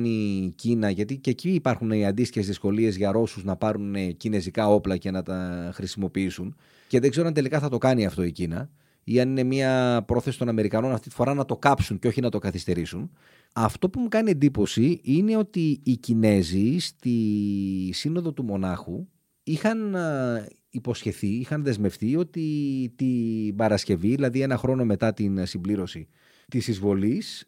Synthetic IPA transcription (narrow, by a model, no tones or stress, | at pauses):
nicinɐʝɐt̪ice̞ciːpɐɾxuniɐnd̪ist̪içe̞zðisko̞lie̞zʝɐɾo̞suznɐpɐɾunecine̞zikɐo̞plɐce̞nɐt̪ɐxɾisimo̞piisun | ce̞ðe̞ɡze̞ɾoɐnt̪elikɐθɐt̪o̞kɐniɐft̪o̞icinɐ̰ | iɐnine̞mɐpɾo̞θe̞si̥t̪o̞nɐme̞ɾikɐno̞nɐft̪it̪i̥fo̞ɾɐnɐt̪o̞kɐpsunceo̞çinɐt̪o̞kɐθist̪e̞ɾisun | ɐft̪o̞pumukɐnie̞nd̪ipo̞siine̞o̞t̪iːcine̞zist̪i | sino̞ðo̞t̪umo̞nɐxu | ixɐn | ipo̞sçe̞θiixɐnðe̞zme̞fθio̞t̪it̪ibɐɾɐsce̞viðilɐðie̞nɐxɾo̞no̞me̞t̪ɐt̪insimbliɾo̞si | t̪isizvo̞lis